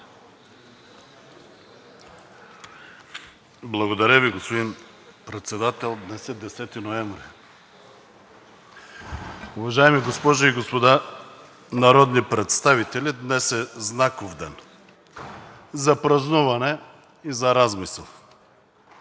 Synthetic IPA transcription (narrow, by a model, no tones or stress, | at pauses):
blˠaɡod̪aɾaviɡospod̪in | pɾɛt̪sɛd̪at̪ɛlˠd̪nɛsɛd̪ɛsɛt̪inoɛɱvɾi | uvaʒaɛmiɡospɔʒaiɡospod̪a | naɾɔd̪nipɾɛt̪st̪avit̪ɛlʲid̪nɛsɛznakovd̪ɛn | zapɾaznuvanɛ | izaɾazmisɛlˠ